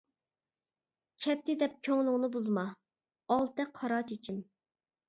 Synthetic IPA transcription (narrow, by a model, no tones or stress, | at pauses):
kʲʰɛp̚t̪ʰɪd̪ɛp̚kʲʰøŋlˠʊŋnɨbuzmɑ | ɑlˠt̪ɛkʰːɑɾɑːt͡ʃʰet͡ʃʰim